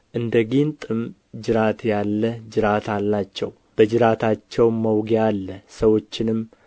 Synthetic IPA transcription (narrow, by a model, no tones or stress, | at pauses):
ʔɨnd̪əɡint̪ʼɨm | d͡ʒɨɾat̪jalːəd͡ʒɨɾat̪ʰalːat͡ʃːɛw | b̥əd͡ʒɨɾat̪ʰat͡ʃːɛwmːəwɡialːəsəwo̞t͡ʃːɪnɨm